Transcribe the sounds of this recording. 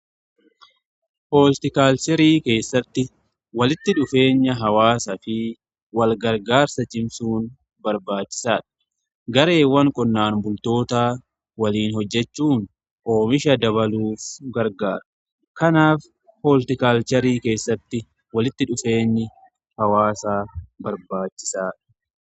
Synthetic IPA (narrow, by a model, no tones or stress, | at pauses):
hoːlt̪ɪkaːlt͡ʃɛɾiːke̞ːsːɐt̪ːɪ | wɐlɪt̪ːɪᶑʊfe̞ːɲːɐɦɐwaːsɐfɪ | wɐlɡɐɾɡaːɾsɐt͡ʃʼɪmsuːn | bɐɾbaːt͡ʃːɪ̥saːᶑɐ̥ | ɡɐɾe̞ːwːɐŋkʼɔnːaːnbʊlt̪o̞ːt̪aː | wɐliːnhɔd͡ʒːɛt͡ʃːuːn | ʔoːmɪʃɐd̪ɐβɐluːfɡɐɾɡaːɾɐ̥ | kɐnaːf | holt̪ɪkaːlt͡ʃɐɾiːke̞ːsːɐt̪ːɪ | wɐlɪt̪ːɪᶑʊfe̞ːɲːɪ | hɐwaːsaːbɐɾbaːt͡ʃːɪ̥saːᶑɐ̥